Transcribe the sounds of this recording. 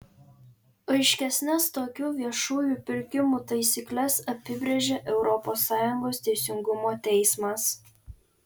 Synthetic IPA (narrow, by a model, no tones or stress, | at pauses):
ɐɪʃʲkʲɛsʲnʲɛst̪oːkʲuːʋʲiɛʃuːjuːˑpʲɪɾʲkʲɪmuːt̪ɐɪsʲiːklʲɛsɐpʲɪbʲɾʲeʒʲeʔɛʊɾɔpoːsːɑːjʊŋɡoːst̪ʲɛɪsʲɪŋɡʊmoːt̪ʲɛɪsmɐs